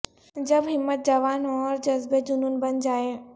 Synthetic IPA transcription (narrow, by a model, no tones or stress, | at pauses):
d͡ʑɐbɦɪmːət̪̚d͡ʑaʋaːnɔːɾd͡ʑɐzbed͡ʒʊnuːnbɐnd͡ʑaːe